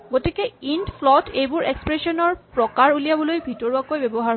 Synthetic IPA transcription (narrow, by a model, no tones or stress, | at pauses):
ɡotikɛindpʰlɔtejbʊɹekspɹesɔnɔɹpɹɔkaɹulijabɔlojbʱitɔɹuakojbɛbɔɦaɹɦ